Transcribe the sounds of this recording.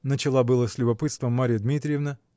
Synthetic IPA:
nət͡ɕɪlˠabɨlˠəsʲlʲʊbɐpɨt̪st̪vəmːaɾʲɪjəd̪mʲit̪ɾʲɪjɪvnə

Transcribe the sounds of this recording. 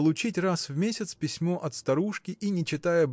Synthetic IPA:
lˠʊt͡ɕitʲrasvmʲesʲɪt̪spʲɪsʲmoʔɐt̪st̪ɐɾuʂkʲɪʔinʲɪt͡ɕɪt̪ajəb

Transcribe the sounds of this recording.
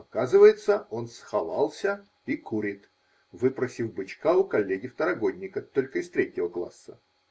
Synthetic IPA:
ɐkazɨvəjɪt̪səo̞nsxɐva̰lˠsʲə | ikuɾʲɪt̪ | vɨpɾəsʲɪfbɨt͡ɕkaʊkɐlʲːeɡʲɪft̪əɾɐɡo̞dʲnʲɪkət̪o̞lʲkəɪst̪ɾʲetʲːɪvəklˠa̰sːə

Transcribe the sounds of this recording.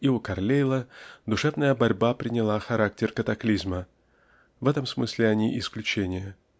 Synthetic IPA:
ɪukɐrlʲejlˠəd̪ʊʂɛvnəjəbɐɾʲbapɾʲɪnʲɪlˠaxɐɾak̚tʲɪrkət̪ɐklʲizmə | vɛt̪əmsmɨsʲlʲɪɐnʲiʔɪsklʲʉt͡ɕenʲɪjə

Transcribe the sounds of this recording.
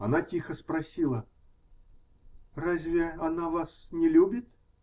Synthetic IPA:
ɐnatʲixəspɾɐsʲilˠə | razʲvʲɪɐnavasnʲɪlʲubʲɪt̪

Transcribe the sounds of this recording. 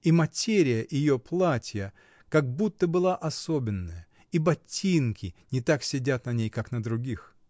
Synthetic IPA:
imɐtʲeɾʲɪjəʔɪjoplˠatʲjə | kaɡ̚but̪ːəbɨlˠaʔɐsobʲɪnːəjə | ibɐtʲːinkʲɪnʲɪt̪aksʲɪdʲat̪nɐnʲejkaknəd̪ɾʊɡʲix

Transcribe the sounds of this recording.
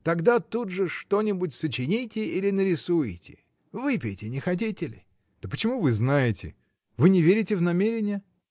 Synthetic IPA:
t̪ɐɡd̪at̪ud̪ʐɨʂt̪o̞nʲɪbʊtʲsət͡ɕɪnʲijtʲɪilʲɪnəɾʲɪsujtʲɪ̰ | vɨpʲɪjtʲɪnʲɪxɐt̬ʲitʲɪlʲɪ̰ | d̪̥əpət͡ɕɪmuvɨznajɪtʲɪ̰ | vɨnʲɪvʲeɾʲɪtʲɪvnɐmʲeɾʲɪnʲɪjə

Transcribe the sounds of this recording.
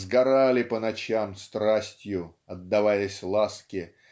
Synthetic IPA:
zɡɐɾalʲɪpənɐt͡ɕamst̪ɾasʲtʲjʊ | ɐd̪ːɐvajəsʲlˠaskʲɪ

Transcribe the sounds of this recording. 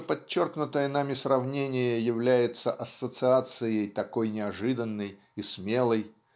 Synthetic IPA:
pɐt͡ɕːo̞rknʊt̪əjənamʲɪsrɐvnʲenʲɪjəjɪvlʲæjɪt̪səʔɐsːət̪sɨat̪sɨjəjt̪ɐko̞jnʲɪɐʐɨd̪ənːəj | ismʲe̞lˠəj

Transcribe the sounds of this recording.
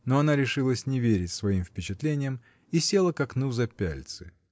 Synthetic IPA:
noɐnaɾʲɪʂɨlˠəsʲnʲɪvʲeɾʲɪtʲsvɐimfpʲɪt͡ɕɪt̪lʲenʲɪjəm | isʲe̞lˠəkɐknuzɐpʲæ̰lʲt̪sɨ̥

